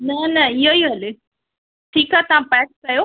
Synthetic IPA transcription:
nɐnɐiɦoiɦɐle | ʈʰiːkɦaːt̪ɐʋ̤ãpɛːʈ̚kɐjo

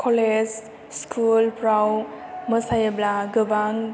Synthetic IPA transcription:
kʰɔled͡ʒ | skʰulpɾawməsajəblaɡɯbaŋ

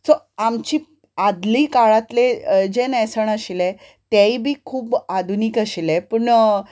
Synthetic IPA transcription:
sɔ | amt͡ɕiː | ad̪liːkaɭat̪led͡ʑenɛsəɳaɕile | t̪jaibʱiːkʰuːbad̪ʱuniːkəɕilɛpəɳ

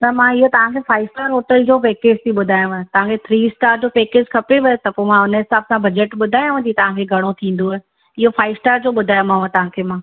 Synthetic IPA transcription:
t̪ɐmãɪɦot̪ɐʋ̤ãkʰefaːɪsʈaːɾɦoːʈəld͡ʑoːpeːkeːd͡ʑt̪ʰiɓʊd̪ʱaːjũʋɐ̃t̪ɐʋ̤ãkʰet̪ʰɾiːɪsʈaːɾd͡ʑoːpeːked͡ʑkʰɐpeʋɐt̪ɐpomãʊnəɦɪsaːbsãbɐd͡ʑəʈɓʊd̪ʱaːjũɐ̃d͡ʑit̪ɐʋ̤ãkʰeɡʱɐɽ̃ot̪ʰĩːn̆d̪o | ɪɦofaːɪʋsʈaːɾd͡ʑoːɓʊd̪ʱaːjũmaãt̪ɐʋ̤ãkʰemãː

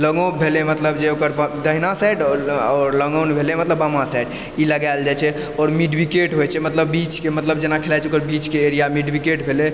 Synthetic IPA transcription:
ləɡõbʱelemət̪ləbd͡ʒeokəɾbd̪əɦnasajɖɔːɾləɡonbʱelemət̪ləbəmasajɖ | iləɡajld͡ʒajt͡ʃʰɛ | ɔːɾmiɖbikeʈɦojt͡ʃʰɛmət̪ləbːit͡ʃkemət̪ləbd͡ʒenakʰelajt͡ʃʰɛokəɾbit͡ʃkeːɾijamiɖbikeʈbʱele

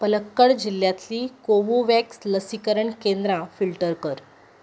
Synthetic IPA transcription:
pələkːəɭd͡ʑilːjat̪liːkoʋuʋæksləsikəɾəɳkend̪ɾafilʈəɾkəɾ

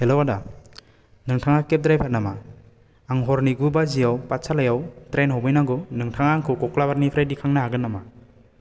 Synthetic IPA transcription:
helowada | nɯŋtʰaŋakep̚dɾajpʰaɾnama | aŋɦɔɾniɡubazijawpat̚sʰalajawtɾenɦɔwmɯjnaɡɔnɯŋtʰaŋaŋkʰɯkɔklabaɾnipʰɾajdikʰaŋnaɦaɡɯnːama

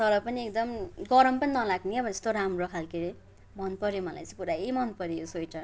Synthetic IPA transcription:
sʌɾʌpʌniekd̪ʌmɡʌɾʌmpʌninʌlaɡniʌbʌd͡zʌ̥st̪oɾamrokʰalkeɾe | mʌnpʌɾjomʌla̰jt͡sʌ̃ĩpuɾaemʌnpʌɾijosojʈʌ

